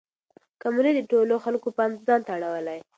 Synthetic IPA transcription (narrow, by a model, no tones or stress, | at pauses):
kamlid̪əʈoloxalkopanzɑnt̪aaɽawəlaj